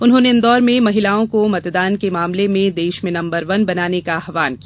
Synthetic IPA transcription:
ʊnɦõːneɪnd̪ɔːɾmẽmɐɦɪlaːõkomɐt̪d̪aːnkemaːmlemẽd̪eːʃmẽnɐ̃mbəɾʋɐnbɐnaːnekaɦʋaːnkiaː

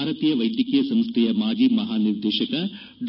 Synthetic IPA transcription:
aːɾɐt̪iːjɐʋɐjd̪jɐkijɐsɐmst̪ʰejɐmaːd͡ʒiːmɐɦaːniɾd̪eːʃɐkɐ | ɖ

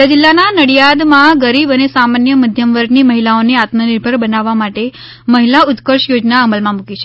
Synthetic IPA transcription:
əd͡ʒɪlːananəɽjad̪mãɡəɾibənesamanjəməd̪ʱjəmʋəɾɡniməɦilaoneat̪mənɪɾbʱəɾbənaʋːamaʈe | məɦilaʊt̪kəɾʃjod͡ʒnaəməlmãmukit͡ʃʰe

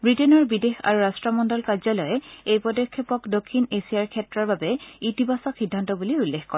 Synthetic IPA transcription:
bɹitenɔɹbidexa̰ɹuɹastɹɔmɔndɔlkazɔlɔjɛejpɔdɔkʰːɔpɔkdokʰːinesiaɹkʰɛtɹaɹbabɛitibʱasɔxidʱːantɔbuliulːexkɔɹɛ

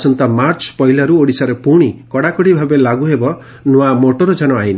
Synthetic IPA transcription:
sɔnt̪amaɾt͡ʃpɔɦilaɾuoɽisaɾepuɽ̃ikɔɽakɔɽibʱabelaɡuɦebɔ | nuamoʈɔɾɔd͡ʒanɔajna

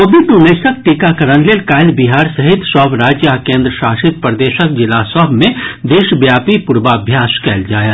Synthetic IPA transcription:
kobiʈnuneːsək̚ʈikakɐɾənleːlkaːɪlbiɦaːɾsɐɦɪt̪ʃɔːʋɾaːd͡ʒjakẽːnd̪ɾəʃaːʃɪt̪̚pɾəd̪eːʃək̚d͡ʒɪlasɔːbmẽd̪eːʃbjaːpipʊɾbaɐbʱjaːskɛːld͡ʒaːjaː

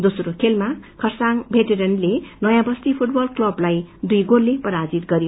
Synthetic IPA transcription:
d̪osɾokʰelmakʰʌrsaŋbʱeʈeɾʌnlenʌjãbʌst̪ipʰuʈ̚bʌlklʌblajd̪ujɡolːepʌɾad͡zit̪ɡʌɾjo

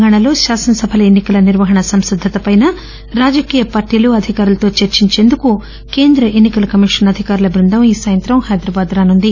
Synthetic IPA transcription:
ɡaːɳ̃ɐlo̞ːʃaːsɐnɐsɐbʱɐlɐenːikɐlɐniɾʋɐɦɐɳɐsɐmsid̪ʱːɐt̪ɐpɐjnɐ | ɾaːd͡ʒɐkiːjɐpaːɾʈiːluɐd̪ʱikaːɾulɐt̪o̞ːt͡ʃeɾt͡ʃiɲt͡ʃe̞ːnd̪uku | ke̞ːnd̪ɾɐʔe̞nːikɐlɐkɐmiʂɐnɐd̪ʱikaːɾulɐbɾund̪ʱɐmiːsaːjɐnt̪ɾɐmhɐjd̪ɾɐbaːd̪ɾaːnund̪i

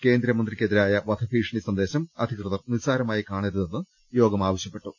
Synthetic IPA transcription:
ke̞ːnd̪ɾɐmɐnd̪rikʲːeðiɾaːjɐʋɐd̪ʰʱɐfiːʂɐɳisɐnd̪e̞ːɕɐmɐd̪ʱikrɨðɐrnisaːɾɐmaːjikaːɳiɾune̞nːɨ | jo̞ːɡɐmaːʋɐɕjɐpːe̞ʈːu

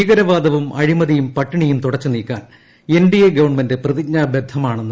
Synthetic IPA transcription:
iːɣɐɾɐʋaːd̪ɐʋumɐɻimɐðijumpɐʈːiɳijumt̪uɽɐt͡ɕːɨniːkːaːn | enɖijeɡɐʋɐɳmendeprɐðikɲaːbed̪ʱːɐmaːɳenː

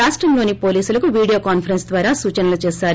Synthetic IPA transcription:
aːʂʈɾɐmlo̞ːnipo̞ːliːsulɐkuʋiːɽijoːkaːnpʰɐɾensd̪ʋaːɾaːsuːt͡ʃɐnɐlut͡ʃɛːsaːɾ

